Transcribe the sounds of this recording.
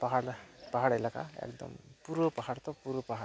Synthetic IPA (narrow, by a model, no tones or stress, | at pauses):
paɦaɽpaɦaɽajlaka̰ḛkd̪ɔ̰mpuɾopaɦaɽt̪ɔpuɾupaɦa